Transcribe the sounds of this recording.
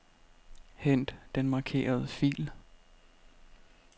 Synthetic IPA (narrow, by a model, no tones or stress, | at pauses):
hen̰d̥d̥enmɑ̈kʰe̝̰ːɐð̞ˠəfḭːl